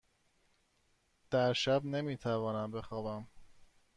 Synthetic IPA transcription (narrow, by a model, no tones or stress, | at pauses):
d̪̥æɾʃæbne̞miːt̪ʰævɒːnæmbe̞xɒːbæm